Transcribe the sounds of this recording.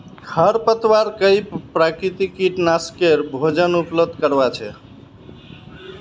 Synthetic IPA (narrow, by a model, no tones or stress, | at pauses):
kʰəɾpət̪waɾkəjpɾakɾit̪ikiʈnaskeɾbʱod͡ʒənupləd̪ʱkəɾbat͡ʃʰɛ